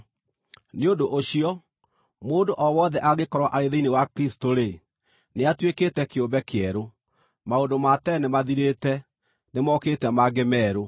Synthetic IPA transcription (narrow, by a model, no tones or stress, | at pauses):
neondoʔoɕiɔ | moːndoʔɔwɔːðɛʔaɣekɔɾwaʔaɾeðeinewakɾisi̥toɾe | neatweketɛkeobɛkeɛɾo | maondomatɛnemaðiɾetɛ | nemɔːketɛmaɡemɛːɾo